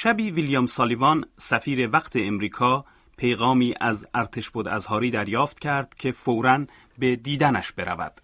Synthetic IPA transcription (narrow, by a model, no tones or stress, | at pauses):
ʃæbiːviljɒmsɒːlivɒnsæfiːɾe̞væqt̪ʰe̞ːmɾiːkʰɒː | pʰe̞jɣɒːmiːʔæzæɾt̪ʰe̞ʃbod̪æzhɒːɾiːd̪æɾjɒːft̪̚cʰæɾd̪̥cʲʰe̞fowɾæn | bed̪iːd̪ænæʃb̥e̞ɾæ̰væ̰d̪̥